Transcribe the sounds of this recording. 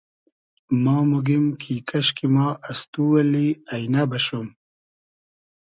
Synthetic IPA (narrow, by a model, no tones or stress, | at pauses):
mɑːmuɡimkʰiːkɐɕkimɑːʔast̪uwɐliajnabɐɕum